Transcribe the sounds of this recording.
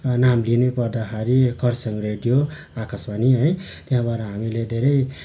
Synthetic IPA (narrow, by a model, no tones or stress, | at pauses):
namlinepʌd̪aɦaɾikʰʌɾsʌŋɾeɖijo | akasbaniɦʌjt̪eɦãbaɾaɦamiled̪ʱeɾʌj